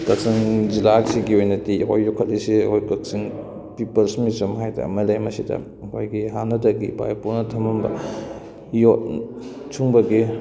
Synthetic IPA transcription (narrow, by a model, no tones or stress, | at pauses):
tɐk̚siŋd͡ʒilaksiɡiojnɐtiɦo̰jːɔkʰːɐt̚lisiɐ̰kojkɐk̚siŋ | pipɐlsmitɐmɦajdɐ̰mɐlajmɐsidɐ̰ | kʰojɡiɦanɐdɐɡḭba̰jpunɐtʰɐmmbɐ̰ | jot̚ | t͡ʃʰuŋbɐɡi